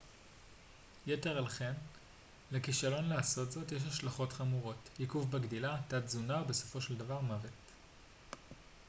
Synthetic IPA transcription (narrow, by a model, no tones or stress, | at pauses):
jete̞ʁalχe̞n | lekiʃalo̞nlaaso̞tzo̞tjeʃ̬haʃlaχo̞tχamuʁo̞tjikufbaɡdilatatzunaʁbe̞so̞̥fo̞ʃeldavaʁmavet